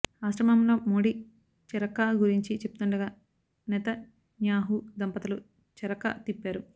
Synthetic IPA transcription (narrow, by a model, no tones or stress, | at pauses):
aːʃɾɐmɐmlo̞ːmoːɽi | t͡ʃɛɾɐkɐɡuɾiɲt͡ʃit͡ʃep̚ːut̪uɳɖɐɡaː | nɛt̪ɐ | ɲjaːɦud̪ɐmpɐt̪ɐlu | t͡ʃɛɾɐkɐ̰t̪ipːaːɾu